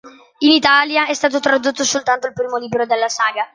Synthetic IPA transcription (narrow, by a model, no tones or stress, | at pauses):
init̪aːljaɛst̪aːt̪̬ot̪ɾad̪ot̪ːosolt̪ant̪oilpɾiːmoliːbɾod̪elːasaːɡa